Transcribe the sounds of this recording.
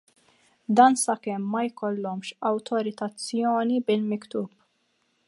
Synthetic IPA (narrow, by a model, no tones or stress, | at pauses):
d̪ɐːnsɐkɛmːɐjkɔlːɔmʃɐwt̪ʰɔɾɪt̪ɐt͡sːjɔːnibɪlmɪkt̪uːp